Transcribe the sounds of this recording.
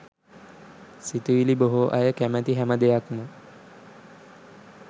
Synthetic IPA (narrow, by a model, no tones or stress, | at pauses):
sit̪uʋiliboɦoʔajəkæmæt̪iɦæməd̪ejakmə